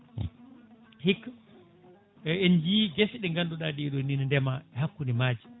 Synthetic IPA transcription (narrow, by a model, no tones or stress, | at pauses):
hikː | ɛnd͡ʒiːɡɛsɗɛŋɡanduɗadiɛɗɔnːinandɛmaɛhakːunimaːd͡ʒi